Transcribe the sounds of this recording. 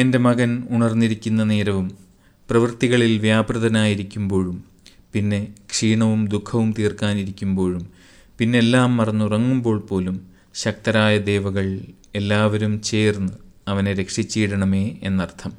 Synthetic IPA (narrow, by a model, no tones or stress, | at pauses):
e̞nde̞mɐɣɐnuɳɐrnːiɾikʲːunːɐne̞ːɾɐʋum | prɐʋɨrt̪iɣɐɭilʋjaːbrɨðɐnaːjiɾikʲːumbo̞ːɻum | pinːe̞kʂiːɳɐʋumd̪ukʰːɐʋumt̪iːrkaːniɾikʲːumbo̞ːɻum | pinːeelːaːmːɐrɐɲːurɐŋːumbo̞ːɭpo̞ːlum | ɕɐk̚t̪ɐɾaːjɐd̪e̞ːʋɐɣɐɭ | e̞lːaːʋɐɾumt͡ɕe̞ːrnːɨɐʋɐneɾe̞kʂit͡ɕːiːɽɐɳɐme̞ːenːɐrt̪ʰɐm